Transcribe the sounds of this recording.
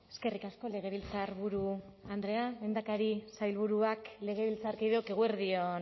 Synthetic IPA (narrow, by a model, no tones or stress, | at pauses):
e̞ske̞rikasko̞le̞ɣ̞e̞βilt͡saɾβuɾuand̪ɾe̞ame̞nd̪akaɾisajlβuɾuakle̞ɣ̞e̞βilt͡saɾkiðeoke̞ɣ̞ueɾðio̞n